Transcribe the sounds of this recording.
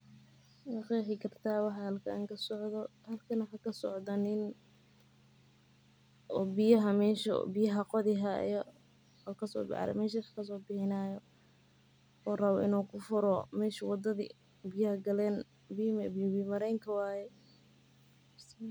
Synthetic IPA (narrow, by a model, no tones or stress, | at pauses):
wɑqiːħɪkʰɐrt̪ʰaːwɑħɑhɐlkʰɐʔaŋkʰɐsɔʕðɔhɐlkʰɐnɐħakʰɐsɔʕd̪ɐnɪn | ɔːbɪjɐɦɐmɛːʃɔ̰bɪjɐɦɐqɔðɪɦɐjɔ | ɔːkʰɐsɔ̰ːbɪ̰ʕ̰ɾɛ̰mɛːʃ̬ɐxḁkʰɐs̬ɔːbɪħɪnaːjɔ | ɔːrɐβɔʔɪnuːkʰʊfʊɾɔmɛːʃɐwɑd̪ɐðḭ | bɪjɐhɐɡɐlɛːn | bimbbimɐɾɛjŋkʰɐwaːjɛ